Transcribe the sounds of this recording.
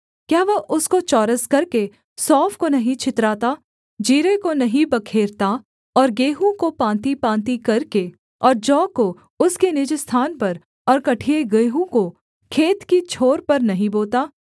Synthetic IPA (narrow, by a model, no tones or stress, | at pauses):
kjaːʋɐɦʔʊskot͡ʃɔːɾəskɐɾke | sɔːfkonɐɦĩt͡ʃʰɪt̪ɾaːt̪aː | d͡ʒiːɾekonɐɦĩbɐkʰeːɾt̪a | ɔːɾɡeːɦũkopãːnt̪ipãːt̪̬ikɐɾke | ɔːɾd͡ʒɔːko | ʊskenɪd͡ʒst̪ʰaːnpɐɾ | ɔːɾkɐʈʰieɡeːɦũko | kʰeːt̪kit͡ʃʰoːɾpɐɾnɐɦĩboːlt̪aː